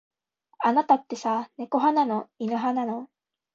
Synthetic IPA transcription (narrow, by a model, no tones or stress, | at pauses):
anat̪at̪ːe̞sane̞ko̞ɦananoinɯ̟ɦanano̞